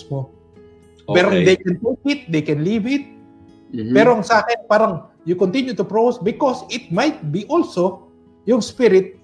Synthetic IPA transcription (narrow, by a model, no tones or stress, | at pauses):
smo | pɛɾod̪ejkɛnt̪ok̚ɪt̪̚d̪ejkɛ̃nlivɪt̪̚ | pɛɾoɐŋsaːkɛnpaːɾɐŋ | jʊkont̪ĩnjʊt̪ʊpɹosbɪkosɪt̪̚majt̪̚biʔolso | jʊŋspɪɾɪt̪̚